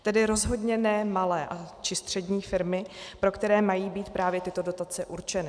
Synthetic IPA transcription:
t̪ɛdɪɾo̞zɦo̞dɲɛnɛmalɛːʔat͡ʃɪst̪r̝̥ɛdɲiːfɪɾmɪpɾo̞kt̪ɛɾɛːmajiːbiːt̪pɾaːvjɛt̪ɪt̪o̞do̞t̪at͡sɛʔuɾt͡ʃɛnɪ

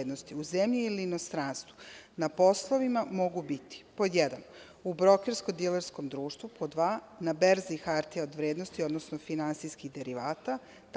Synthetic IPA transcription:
d̪nost̪iuzemʎiiliːno̞st̪ɾanst̪ʋunapo̞slˠo̞ʋimamo̞ɡubit̪i̥po̞jed̪an | ubɾo̞keɾskod̪ileɾsko̞md̪ɾuːʃt̪ʋupʰod̪ʋaːnabeɾzixaɾt̪iaod̪ʋɾeːd̪no̞st̪io̞d̪nosnofinant̪sijskiɣd̪e̞ɾiʋaːt̪a | t̪

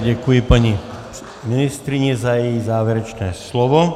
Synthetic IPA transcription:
ɟakujipaɲi | minist̪ɾiɲɛzajɛjizaːʋɛɾɛt͡ʃnɛːslɔʋɔ

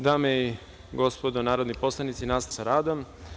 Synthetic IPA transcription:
d̪aːmei | ɡospod̪onaːɾod̪niposlˠanit̪sinaːssaɾaːd̪om

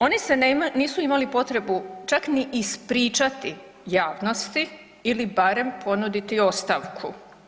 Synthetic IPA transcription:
o̞niseniːsuimalipo̞t̪ɾe̞but͡ʃakniʔːspɾiːt͡ʃat̪i | jaːʋno̞st̪iː | libaɾe̞mpʰo̞nud̪it̪io̞st̪aʋkʰṵ

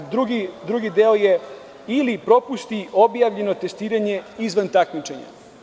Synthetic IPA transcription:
d̪ɾuɡid̪ɾuɡid̪eoje | ilipɾo̞pust̪io̞bjaʋʎe̞no̞t̪e̞st̪iːɾaɲe̞izʋant̪akmit͡ʃe̞ɲa̰

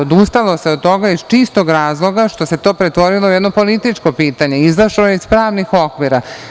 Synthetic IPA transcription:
od̪ust̪alo̞se̞od̪̚t̪o̞ɡaizt͡ʃist̪oɡɾaːzlˠo̞ɡaʃt̪o̞se̞t̪o̞ːpɾet̪ʋo̞ɾilˠoujɛd̪nopo̞lit̪it͡ʂko̞piːt̪aɲe̞izaʃloje̞izpɾaːʋnixo̞kʋiɾa

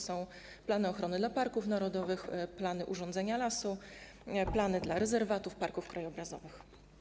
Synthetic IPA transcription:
sɔ̃w̃ | planɘɔxɾɔnɘd̪lapaɾkufnaɾɔd̪ɔvɘxplanɘʔuʐɔnd̪zɛɲalasu | planɘd̪laɾɛzɛɾvat̪ufpaɾkufkɾajɔbɾazɔvɘx

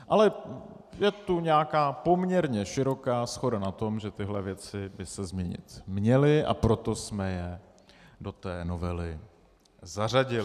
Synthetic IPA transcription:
ʔalɛ | jɛt̪uɲɛakaːpo̞mɲɛɾɲɛʃɪɾo̞kaːsxo̞danat̪o̞mʒɛt̪ɪɦlɛvjɛt͡sɪbɪsɛzmɲɛɲɪ̰t̪mɲɛlɪʔa̰pɾo̞t̪o̞smɛjɛ | do̞t̪ɛːno̞vɛlɪ | zaraɟɪ

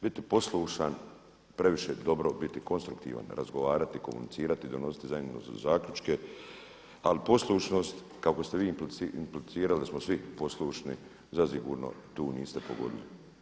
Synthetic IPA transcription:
bit̪ipo̞slˠuːʃan | pɾe̞ʋiʃeːd̪o̞bɾo̞bit̪iko̞nst̪ɾukt̪ḭːʋa̰nɾa̰zɡo̞ʋaːɾat̪iko̞mṵnit̪siːɾat̪id̪o̞no̞si̥t̪izaɲeno̰zaːklʲut͡ʃke̞ | alipo̞slˠuːʃno̞ːst̪ | kaoko̞st̪eʋiːimpliimplisiːɾalismosʋipo̞slˠuːʃni | zasiɡṵːɾno̰t̪uːniːst̪e̞po̞ɡo̞̰d̪ḭlḭ

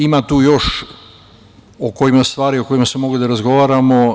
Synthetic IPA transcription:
imat̪uːjo̞ʃ | okoimast̪ʋaːɾio̞ko̞jimasemo̞ɡud̪aɾazɡo̞ʋaːɾamo

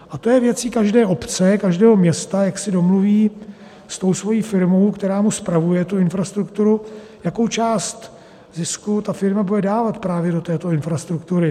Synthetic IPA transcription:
ʔat̪o̞jɛvjɛt͡siːkaʒdɛːʔo̞pt͡sɛkaʒdɛːɦomɲɛst̪ajaksɪdo̞mluviː | st̪o̞wsvo̞jiːfɪɾmo̞wkt̪ɛɾaːmuspɾavujɛt̪uɪnfɾast̪ɾukt̪uɾu | jakowt͡ʃaːst̪ | zɪskut̪afɪɾmabudɛdaːvat̪pɾaːvjɛdo̞t̪ɛːt̪o̞ɪnfɾast̪ɾukt̪uɾɪ

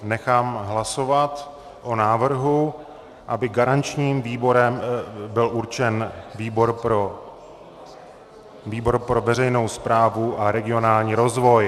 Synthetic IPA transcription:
nɛxaːmɦlaso̞vat̪ | ʔonaːvr̩ɦu | ʔabɪɡaɾant͡ʃɲiːmviːbo̞ɾɛmbɪlʔuɾt͡ʃɛnviːbo̞ɾɾo | viːbo̞ɾpɾo̞vɛrɛjno̞wspɾaːvuʔaɾɛɡɪo̞naːlɲiːɾo̞zvo̞j

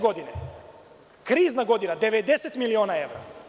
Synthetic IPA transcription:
ɡɔd̪inɛ | kɾiznaɡɔd̪inad̪ɛvɛd̪ɛsɛt̪miliɔnaɛvɾa

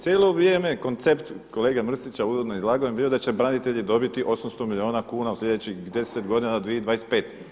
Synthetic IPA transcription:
t̪ʲjeːlo̞ʋɾje̞ːme̞ko̞nt̪se̞pt̪ko̞le̞ːɡamr̩sit͡ɕauzod̪noizlˠaːɡoembiːo̞d̪at͡ɕe̞bɾanit̪e̞ʎid̪o̞bit̪iʔo̞samst̪o̞milʲio̞ːnakuːnausʎʲe̞d̪et͡ɕixd̪e̞set̪ɡo̞d̪inad̪ʋijeid̪ʋaːjes̚pe̞ːt̪

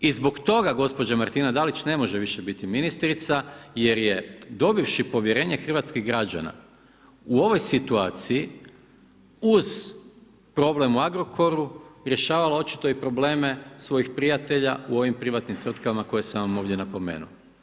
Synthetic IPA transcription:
izbo̞kt̪o̞ɡaɡo̞spo̞d͡ʑamaɾt̪inad̪alit͡ɕne̞mo̞ʒeʋiʃe̞bit̪iminist̪ɾit̪saje̞ɾje̞d̪o̞biʋʃipo̞ʋjeɾe̞ːɲexr̩ʋat̪skiɣɡɾad͡ʑa̰na̰ | uo̞ʋo̞jsit̪uaːt̪siji | uz̥ | pɾo̞ble̞muaɡɾo̞kʰo̞ɾuɾje̞ʃaːʋalao̞t͡ɕi̥t̪o̞ipɾo̞ble̞ːme̞sʋo̞jixpɾijat̪e̞ʎauo̞ʋimpɾiʋat̪nimt̪ʋɾr̩t̪kaʋimako̞jesaamo̞ːʋd̪jenapo̞mḛːnṵ

